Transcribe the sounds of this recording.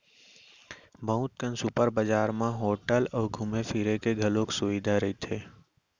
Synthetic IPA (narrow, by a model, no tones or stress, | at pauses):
bəɦʊ̃t̪̚kənsʊpəɾbəd͡ʒaːɾmãɦoːʈəlɔːɾɡʱʊmefʰiɾekeɡʱɐlõksʊʋid̪ʱaɾɐɦit̪ʰeː